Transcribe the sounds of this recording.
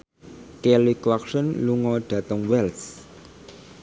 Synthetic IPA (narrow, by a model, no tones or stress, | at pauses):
kɛlikwaksənluŋɔɖ̥ä̤t̪əŋwɛls